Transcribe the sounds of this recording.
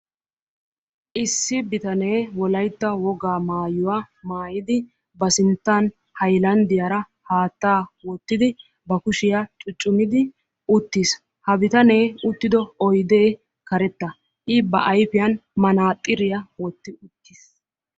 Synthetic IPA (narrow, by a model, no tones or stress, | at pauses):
ʔɪsːɪbɪt̪ɐne̞ːwɔlɐjt̪ːɐwɔɡaːmaːjʊwa | maːjɪd̪ɪ | bɐsɪnt̪ːɐn | hɐjlɐnd̪ɪjaɾɐ | haːt̪ːaːwɔt̪ːɪd̪ɪ | bɐkʊʃɪjɐt͡ʃʼʊt͡ʃʼːʊmɪd̪ɪ | ʔʊt̪ːis | hɐbɪt̪ɐne̞ːʊt̪ːɪd̪ɔɔjd̪eː | kɐɾɛt̪ːɐ | ʔɪbɐʔɐjfɪjɐnmɐnaːt̪ʼːɪɾɪjɐwɔt̪ːɪʊt̪ːis